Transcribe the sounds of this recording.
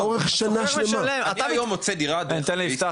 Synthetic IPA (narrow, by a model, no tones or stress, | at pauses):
oʁeχʃanaʃlemamat̪ajomot͡sed̪iʁad̪nit̪enliift̪a